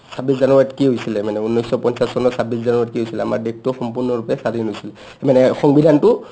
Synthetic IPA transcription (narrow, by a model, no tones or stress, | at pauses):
sabiszanuatkiɦojsilɛmanɛunːɔjsɔpɔnsassɔnɔsabis̬zanuat̚kiɦojsilɛama̰ɹdek̚ʰtʊxɔmpuɹnɔɹupɛsadinɦojsilɛ | manɛxɔŋbidʱantʊ